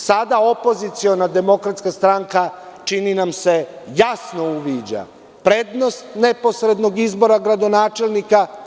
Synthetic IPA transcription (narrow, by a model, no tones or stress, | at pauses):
sad̪ao̞po̞zit̪sio̞nad̪e̞mo̞kɾat̪skast̪ɾaŋkat͡ʃininamse̞jasno̞uʋiːd͡ʑa̰ | pɾe̞ːd̪no̞st̪ne̞po̞sɾe̞d̪no̞ɡizbo̞ɾaɡɾad̪o̞naːt͡ʃe̞lnika